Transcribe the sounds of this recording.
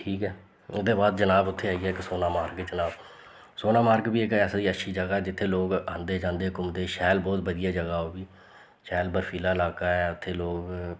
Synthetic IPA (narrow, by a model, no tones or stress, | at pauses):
ʈʰiːkɦɛː | ʊd̪eːbaːd̪d͡ʒənaːbʊt̪ʰːeːaːiːɛːksoːnaːmaːɾkːd͡ʒənaːb | soːnaːmaːɾkbiːɪkɛːsd̪iːəʃʰiːd͡ʒəɡaːɛːd͡ʒɪt̪ʰːeːloːɡãːnd̪eːd͡ʒãːnd̪eːkʊmd̪eːʃɛːlbɔːt̪bəd̪ɪjaːd͡ʒəɡaːoːbiː | ʃɛːlbəɾpʰiːlaːɪlaːkaːɛːʊt̪ʰːeːloːɡ